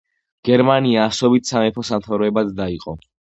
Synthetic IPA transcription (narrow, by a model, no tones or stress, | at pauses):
ɡ̥ɛɾmaniaːsɔbit̪ʰsamɛpʰɔsamt̪ʰavɾɔɛbad̪d̪aiqʼɔ̰